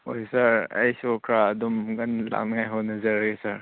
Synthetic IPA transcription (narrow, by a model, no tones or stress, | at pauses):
ojsɐɾɐ̰jsukʰɾaɐdumɡɐnla̰ŋnajɦɔnɐzɐɾɡesɐɾ